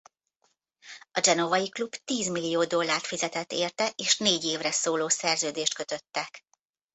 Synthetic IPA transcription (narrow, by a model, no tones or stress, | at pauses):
ɒd͡ʒɛnovɒjiklubt̪iːzmilːijoːd̪o̞lːaːrt̪fizɛt̪ɛt̪ːeːrt̪ɛʔeːʃneːɟeːvrɛsoːloːsɛrzøːd̪eːʃt̪kø̞t̪ø̞t̪ːɛk